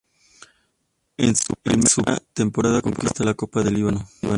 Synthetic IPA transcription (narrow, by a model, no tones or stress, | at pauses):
enemsua̰t̪e̞mpoɾaðakomkist̪alako̞paðeliβanoiβa